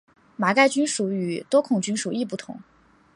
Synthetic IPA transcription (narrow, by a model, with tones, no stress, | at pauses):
ma˨˧˥ka˥˩ɪt͡ɕy˥nʂu˧˥y˨˩t̪wɔ˥kʰʊ˨˩ŋt͡ɕy˥nʂu˨˩i˥˧p̬u˥˩t̪ʰʊ̰˧˥˦ŋ